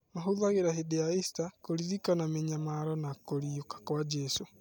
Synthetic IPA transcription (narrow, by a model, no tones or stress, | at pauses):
maɦoðaɣeɾaɦedeaistakoɾiɾikanameɲamaɾɔnakoɾiokḁkwad͡ʒɛso